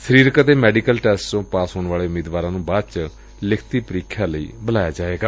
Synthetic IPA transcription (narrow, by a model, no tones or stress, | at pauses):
səɾiːɾkət̪eːmɛːɖiːkəlʈɛːsʈt͡ʃõːpaːsɦoːnʋaːleːʊmiːd̪ʋaːɾãːnũːbaːd̪t͡ʃ | lɪkʰt̪iːpəɾiːkʰãːləḭːbəlaːjaːd͡ʒaːʋeːɡaː